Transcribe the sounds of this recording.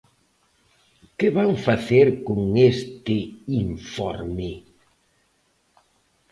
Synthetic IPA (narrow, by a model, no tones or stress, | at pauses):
kɪβaŋfaθeɾkoŋest̪ɪiɱfɔ̰ɾmɪ